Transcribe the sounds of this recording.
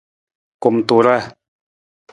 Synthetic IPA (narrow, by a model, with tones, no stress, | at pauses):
ku˧mt̪u˧ɾa˦